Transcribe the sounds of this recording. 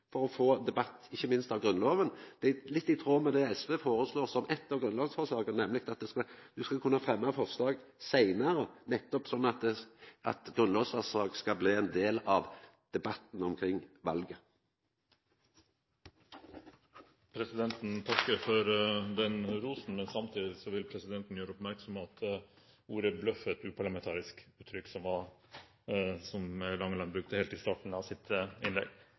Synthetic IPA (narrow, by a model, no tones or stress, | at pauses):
fɔʁɔfoːd̪ɛbɑt̪ːɪçːəmɪnst̪ɑʋɡʁʉnlɔːʋənd̪̥ælɪt̪ːɪt̪ʰʁoːmɛd̪ɛɛsʋeːfoːɾəsloːʁsɔmɛt̪ːəɾɡʁʉnlɔːʋsfɔʁslɑːɡənnɛmːlɪk̚t̪ɑt̪̚d̪ɛskɑd̪̥ʉskɑkʰʉnːəfʁɛmːɑfɔʁslɑːɡsæɪnɑɾənɛt̪ːɔpsɔnːɑt̪̚d̪ɛɑ̰t̪ɡʁʉnlɔːʋsfɑʁsɑːɡskɑbliːɛnd̪eːlɑʋ | d̪̥ɛbɑt̪n̩ɔmkʰɾɪŋːʋɑ̰lɡə | pʰɾɛsɪd̪ɛnt̪nt̪ʰɑkːəɾfɔɾʋɛnɾuːsn̩mɛnsɑmt̪ʰiːd̪ɪsɔʋɪlpʰɾɛsɪd̪ɛnt̪n̩jøːɾəɔpmæɾksɔmɑt̪ | uːɾəblœfɛt̪ʉːpʰɑɭɑmɛnt̪ʰɑːɾɪskʉːt̪ʰːɾʏkːsɔmʋɑ | sɔmɛlɑŋːəlɑnbɾʉk̚t̪əhɛːlt̪ɪst̪ɑːʈɳ̩ɑʋsɪt̪ɪnlɛ̰ɡ